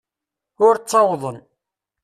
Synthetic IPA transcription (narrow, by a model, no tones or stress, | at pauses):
ʊɾt͡sːɑwðˤən